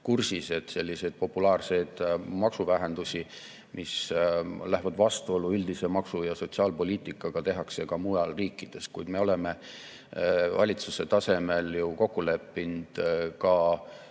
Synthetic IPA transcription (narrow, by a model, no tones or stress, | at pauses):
kursise̞d̪̥se̞lʲːise̞jd̪̥̚po̞pːulɑːrse̞jd̪̥mɑksuvæɦe̞nd̪usʲi | mʔis | læɦvɑd̪vɑst̪uo̞luyld̪̥ise̞mɑksujɑso̞t̪siɑːlpo̞lʲiːt̪ˑikːˑɑɡ̥ɑt̪e̞ɦɑkse̞kɑmujɑlriːkːˑid̪̥e̞s̚kujd̪̥me̞o̞le̞me̞ | vɑ̰lʲit̪suse̞t̪ɑse̞me̞ljuko̞kːule̞pːind̪̥kɑ